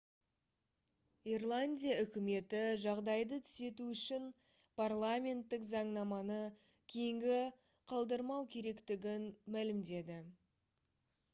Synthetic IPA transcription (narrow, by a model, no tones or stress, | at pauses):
irlˠanʲdʲijaʏkʲɪme̞t̪ɪʒɑʁd̪ɑjd̪ət̪ʰʏ̥se̞t̪uʏʃɪn | pʰarlˠamʲe̞nt̪ːɪkzɑɴnɑmɑnə | kʲʰejɪŋɡʲɪ | qʰɑlˠd̪əɾmɑwkʲʰe̞ɾe̞kt̪ɪɡʲɪnmælɪmd̪e̞d̪ɪ